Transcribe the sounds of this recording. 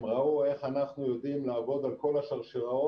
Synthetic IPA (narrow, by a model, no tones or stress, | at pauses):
mʁaue̞χanaχnujo̞d̪imlaːvo̞d̪alko̞laʃaʁʃiʁao